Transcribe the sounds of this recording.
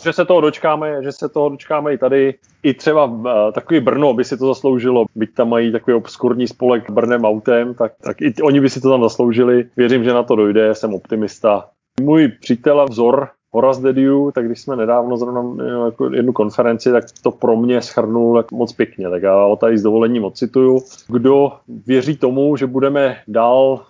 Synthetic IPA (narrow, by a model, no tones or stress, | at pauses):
ʒɛsɛt̪oɦodo̞t͡ʃkaːmɛʒɛsɛt̪oɦodo̞t͡ʃkaːmɛɪt̪adɪ | ɪt̪r̝̥ɛbat̪akoviːbr̩no̞bɪsɪt̪ozaslo̞wʒɪlobɪc̚t̪amːajit̪akoviopskuɾɲiːspo̞lɛkbr̩nɛːmawt̪ɛmt̪ak̚t̪a̰kɪo̞ɲɪbɪsɪt̪ot̪amzaslo̞wʒɪlɪvjɛɾɪmʒɛnat̪o̞do̞jdɛsɛmo̞pt̪ɪmɪst̪a | mujpr̥iːt̪ɛlavzo̞ɾ | ɦoɾazd̪ɛdɪut̪aɡdɪʃsmɛnɛdaːvno̞zɾovnamjako̰jɛ̰dnuko̞nfɛɾɛnt͡sɪt̪ak̚t̪o̞pɾo̞mɲɛsxr̩nulakmot͡spjɛkɲɛt̪akjaːɦot̪aɪzd̪ovo̞lɛɲiːmot̪̚t͡sɪt̪ujuɡdovjɛriːt̪o̞muʒɛbudɛmɛdaːl